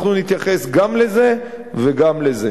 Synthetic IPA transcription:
χnunit̪jaχe̞sɡamle̞ze̞ | veɡamle̞ze

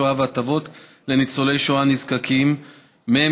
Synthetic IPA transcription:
oavat̪avo̞t | le̞nit͡sole̞jʃoanizkakimː | e

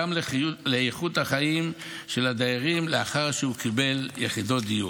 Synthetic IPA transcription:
amleejχut̪haχaim | ʃe̞lad̪aaʁimleaχaʁʃeukibe̞ljeχid̪o̞t̚d̪iju

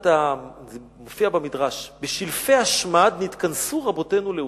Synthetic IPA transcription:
ta | mofiabamidʁaʃbeʃilfehaʃmadnit̪kansuʁabo̞te̞nule

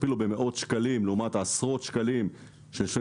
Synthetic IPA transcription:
pilube̞me̞ʔo̞t̪ʃkalimleumat̪asʁo̞t̪ʃkalim | ʃeʃe

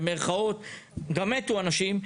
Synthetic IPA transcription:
meʁχao̞t̪ɡamet̪uanaʃim

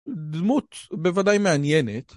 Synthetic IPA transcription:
d̪mut̪bevad̪ajmeanjenet̪

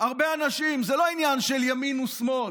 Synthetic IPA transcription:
aʁbe̞anaʃimzelo̞injanʃeljaminusmo̞l

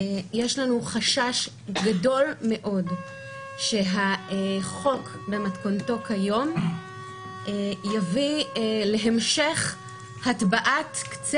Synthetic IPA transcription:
jeʃlanuχaʃaʃ | ɡado̞lme̞ʔo̞d | ʃe̞ɦaeχo̞k | be̞matkonto̞kʰajo̞m | ejavileɦemʃeχ | hatbaʔatkt͡s

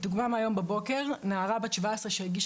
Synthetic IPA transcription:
d̪uɡmamajo̞mbebo̞ke̞ʁnaːʁabaʃevaesʁeʃeeɡiʃ

